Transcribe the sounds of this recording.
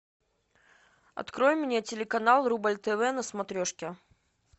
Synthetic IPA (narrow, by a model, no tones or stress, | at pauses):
ɐ̰t̪kɾojmʲnʲetʲɪlʲɪkɐnalˠrubəlʲt̪ɛvɛnəsmɐt̪ɾʲoʂkʲɪ